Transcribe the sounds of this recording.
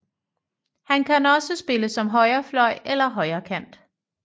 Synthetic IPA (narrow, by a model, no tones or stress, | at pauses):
hænkʰænɒ̽səsb̥e̝ləsɒ̽mɦɒ̽ɪɐːflɒ̽ɪ̰elɐɦɒ̽ɪɐːkʰæn̰d̥